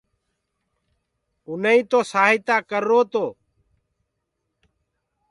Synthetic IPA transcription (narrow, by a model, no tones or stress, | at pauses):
ʊnəĩːt̪oːsaːɦɪt̪aːkəɾːoːt̪oː